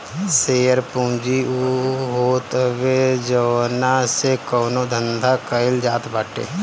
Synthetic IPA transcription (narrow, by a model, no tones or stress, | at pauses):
seːəɾpũːd͡ʒiuɦoːt̪ʋed͡ʒənasekɔːnod̪ʱənd̪ʱakəɪld͡ʒaːt̪baːʈḛː